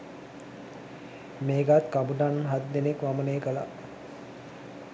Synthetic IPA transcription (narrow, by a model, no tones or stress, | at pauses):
meːɡat̪kabuɖanɦat̪d̪enekʋaməneːkəla̰